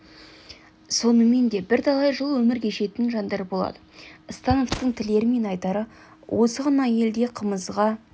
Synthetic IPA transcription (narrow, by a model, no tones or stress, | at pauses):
so̞nəme̞nd̪e̞bɪɾt̪ʰɑlˠɑjʒəlˠwɵmɪɾkʲʰeʃe̞t̪ɪnʒɑnd̪ɑɾpbo̞lˠɑ̰d̪əəst̪ɑno̞ft̪əɴt̪ʰɪle̞ɾɪme̞nɑjt̪ɑɾə | wʔo̞səʁɑnɑje̞ld̪e̞qʰəməzʁɑ